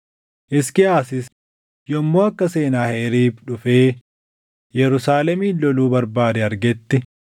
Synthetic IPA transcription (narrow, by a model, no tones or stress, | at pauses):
ʔɪskɪaːsɪs | jɔmːoːɐkːɐse̞ːnaːheːɾiːbᶑʊfeː | jɛɾʊsaːlɛmiːlɔluːbɐɾbaːd̪ɛɐɾɡɛt̪ːɪ